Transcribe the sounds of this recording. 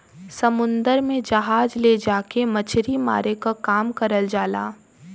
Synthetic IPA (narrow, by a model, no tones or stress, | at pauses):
sɐmʊ̃nd̪əɾmẽd͡ʒɐɦaːd͡ʒled͡ʒaːkemɐt͡ʃʰɾima̰ːɾekakaːmkɐɾəld͡ʒaːla̰ː